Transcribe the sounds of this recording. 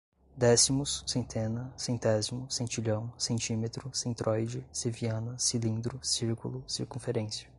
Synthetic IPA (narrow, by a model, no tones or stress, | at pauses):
d̪ɛsimʊsːẽnt̪ʰẽnɐsẽnt̪ɛzimʊsẽnt͡ʃiʎɐ̃w̃sẽnt͡ʃĩmet̪ɾʊsẽnt̪ɾɔjd͡ʒɪseviɐ̃nɐsilĩnd̪ɾʊsiɾkulʊsiɾkũfeɾẽsiɐ̥